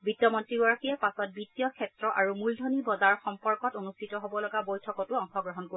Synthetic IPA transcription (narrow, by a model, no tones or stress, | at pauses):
bitjɔmɔntɹibɔɹaxiɛpasɔt̚bitijɔkʰɛtɹɔʔaɹumuldʱonibɔzaɹxɔmpɔɹkɔtonustʰitɔɦobɔlɔɡabojtʰɔkɔtuɔŋxɔɡɹɔɦɔnko